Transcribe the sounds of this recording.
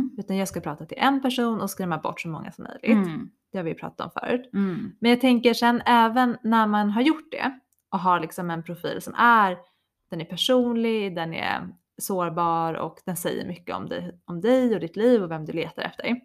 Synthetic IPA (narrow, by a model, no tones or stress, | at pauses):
ʉ̟ːt̪anjɑːɡskapʰɾɑːt̪at̪ʰɪlʔɛnpæʂuːnɔskɾɛːmabɔ̰ʈːsɔmːɔŋːa̰sɔmːœ̰jlɪɡt̪ | d̪̥ɛhaɾvɪjpʰɾɑ̰ːt̪at̪ʰɔ̰mfœ̰ːɾʉ̟ːt̪mɛnjɑːɡt̪ʰɛŋkəʂɛnːɛːvənːæɾmanɦaɾjʊʈ̚ːd̪ɛ̰ | ʔɔkɦalɪksɔmɛnpʰɾʊfḭːlsɔmʔæɾ | d̪̥ɛnæɾpʰæʂuːnlɪɡd̪ɛnɛ̰ɾ | soːɾbɑːɾɔ̰kd̪̥ɛnsɛjːə̰ɾmʏkːəɔ̰md̪ɛ̰ɔmd̪ɛjɔd̪ɪt̪ʰliːvɔvɛmd̪ɵleːt̪aɾɛ̰ft̪əɖɛ̰j